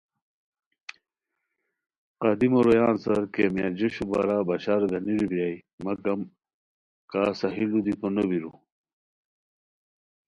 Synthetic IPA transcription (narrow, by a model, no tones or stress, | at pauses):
qad̪imoɾojaːnsɐɾkemijad͡ʑeɕuba̰ɾabɐɕaɾɡɐniɾibjajmɐkɐm | kaːsɐɦilud̪it̪onobiɾu